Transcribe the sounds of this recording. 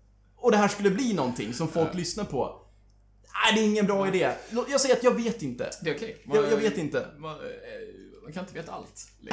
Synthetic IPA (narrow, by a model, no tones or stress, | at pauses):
ɔd̪ɛɦæːʂkɵlːəbliːnɔnt̪ʰɪ̰ŋsɔmfɔlklʏsnaɾpʰɔ̰ | æɪd̪ɛɪŋːənbɾɑːɪd̪eːlojɑːɡsɛjəɾat̪jɑːɡveːt̪ɪnt̪ə̰d̪ɛʊkʰɛjɑːjɑːɡveːt̪ɪnt̪əm | mankʰanɪnt̪əveːt̪aa̰lt̪